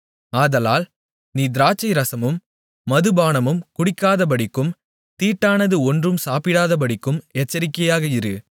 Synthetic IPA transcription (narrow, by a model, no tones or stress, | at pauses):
aːðɐlaːl | niːd̪ɪɾaːt͡ʃːɐɪɾɐsɐmɯmː | ɐðɯbaːnɐmɯmkʊɽɪkːaːðɐp̬ɐɽɪkːɯm | t̪iːʈːaːnɐðɯɔndrɯmsaːpɪɽaːðɐp̬ɐɽɪkːɯmɛt͡ʃːɐɾɪkːɐjaːɣɐɪɾɯ